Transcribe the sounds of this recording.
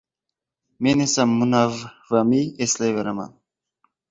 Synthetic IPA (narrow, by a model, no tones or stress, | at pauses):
menesamːunavvamiesleveɾama̰n